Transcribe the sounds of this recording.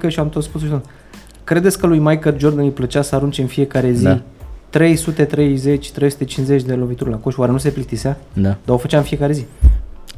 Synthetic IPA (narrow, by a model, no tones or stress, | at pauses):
kəʃiamt̪ot̪spus̬oʃid̪o | kɾe̞d̪esʲkəlujmajkəld͡ʒo̞rd̪ənjplət͡ʃasəaɾunt͡ʃeɨnfije̞kaɾe̞zii | t̪ɾe̞jsut̪e̞t̪ɾe̞jze̞t͡ʃʲt̪ɾe̞jsu̥t̪e̞t͡ʃinze̞t͡ʃʲd̪e̞lo̞bit̪uɾʲlako̞ʃwaɾe̞nus̬e̞plik̚t̪iseaad̪ao̞fət͡ʃaɨnfije̞kaɾe̞zi